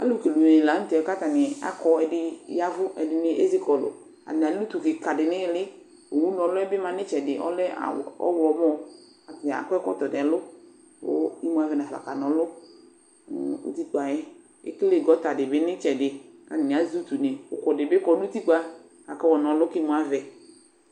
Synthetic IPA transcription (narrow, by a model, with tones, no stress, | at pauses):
a̰˦lʊ˦ke˨lu˨ne˨la˨˦n̩˦t̪ɛ˨ka˦t̪a˨nɪ˨a̰˨kɔ˨ɛ˨dɪ˨˦ja˦vʊ˦ɛ̰˨dɪ˨nɪ˦ʔḛ˦zi˦kɔ˨lʊ̰˨ | a̰˨n˨a˨˦lu˦t̪u˨kɪ˨ka˨dɪ˨nɪ̃˦lɪ˦ | o˨wu˦nɔ̃˨lʊ˦ɛ˦bɪ˦mã˨nɪ̃˦t͡ʃɛ˨dɪ˨ʔɔ̰˦lɛ˦a̰˨ɔ̰˦wlɔ˨˦mɔ˦ | a˨ta̰˨kɔ˦ɛ˦kɔ̰˦t̪ɔ˨dlʊ˦ | wo̰˦i˦mũ˦a˨vɛ˨na˨fa̰˨ka˨nɔ̃˨lʊ˦ | ṵ˦t̪i˦k͡pa˨jɛ˦ | ḛ˦kle˦˨ɡɔ˨˦t̪a˨dɪ˨bɪ˦nɪ̃˦t͡ʃɛ˨dɪ˨ka˨n˨a˨zu˦t̪u˨ne˨wo˨kɔ˨dɪ˨bɪ˦kɔ˨˦lu˦t̪i˦k͡pa˦ | a˨kɔ˦wɔ˨nɔ̃˨lʊ˦kɪ˦mũ˨a˨vɛ˨